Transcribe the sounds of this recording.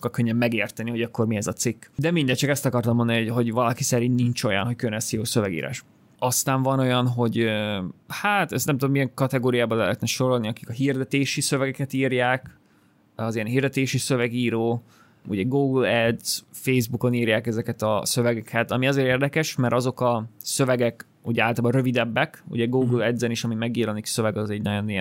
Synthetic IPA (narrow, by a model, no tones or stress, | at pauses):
ʃokːɒlkøɲːɛmːɛɡeːrt̪ɛniho̞ɟɒkːo̞rmiɛzɒt̪sikːd̪ɛmind̪ɛt̚t͡ʃɒkɛst̪ɒkɒrt̪ɒmond̪ɒniɦo̞ɟvɒlɒkisɛɾinniɲt͡ʃo̞jɒ̰nɦockønɛsjoːsøvɛɡḭːɾa̰ːʃ | ɒst̪aːɱvɒno̞jɒnɦo̞ɟøhaːt̪ɛst̪nɛmt̪ud̪omijɛŋkɒt̪ɛɡoːɾijaːbɒlɛɦɛːt̪nɛʃo̞ɾo̞lniɒki̥kɒɦird̪ɛt̪eːʃisøvɛɡɛkɛt̪iːrjaːk | ɒziɛnɦiːrd̪ɛt̪eːʃisøvɛɡiːɾoː | ṵɟɛɡuːɡulɛd̪z̥fejzbuko̞niːrjaːkɛzɛkɛt̪ɒsø̞vɛɡɛkʰɛt̪ɒmiɒzeːɾeːrd̪ɛkɛʃmɛɾʔɒzo̞kɒsøvɛɡɛk | uɟɛaːlt̪ɑlaːbɒɾø̞vid̪ɛbːɛkṵɟɛɡuːɡlɛd̪zɛniʃɒmimɛɡiːɾɒniksø̞vɛɡɒzɛɟnɒɟo̞nijɛ